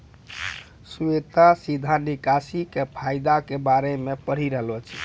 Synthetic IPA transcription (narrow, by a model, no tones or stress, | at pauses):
suet̪asid̪ʱanikasikepʰajd̪akebaɾemepəɽ̤iɾəɦlot͡ʃʰɛ̥